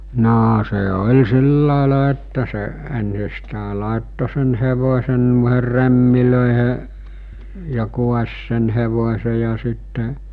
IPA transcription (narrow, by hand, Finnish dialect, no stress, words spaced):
noː se olʲ silːɑˑelɑ etːæ se ensistæˑe lɑˑetːo sen heʋosʲen nuoeher remːiløˑeheʔ jɑ kuɑsʲ sen heʋosʲe jɑ sitːe